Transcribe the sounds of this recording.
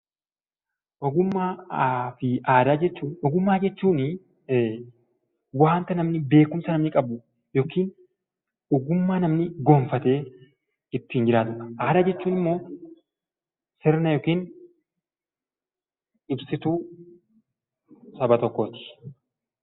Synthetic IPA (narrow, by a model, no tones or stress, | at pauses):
ʔɔɡʊmːaːfɪʔaːd̪aːd͡ʒɛt͡ʃːuːnɔɡʊmːaːd͡ʒɛt͡ʃːuːn | waːnt̪ɐnɐmnɪbe̞ːkʊmsɐnɐmnɪkʼɐbʊ | joːkiːn | ɔɡʊmːaːnɐmnɪɡo̞ːɱfɐt̪e̞ː | ɪt̪ːɪːnd͡ʒɪɾaːt̪ʊɐʔaːd̪aːd͡ʒɛt͡ʃːuːnɪmːo̞ː | sɪɾnɐjo̞ːkiːn | ɪbsɪt̪uː | sɐbɐt̪ɔkːoːt̪ɪ̥